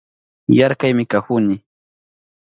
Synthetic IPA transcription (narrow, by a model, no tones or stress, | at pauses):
jaɾkajmɪkaxʊnɪ